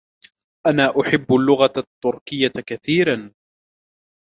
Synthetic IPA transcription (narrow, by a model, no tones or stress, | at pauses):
ʔanaːʔʊħɪbːʊlːʊɣat̪ːʊɾkɪjːakaθiːɾan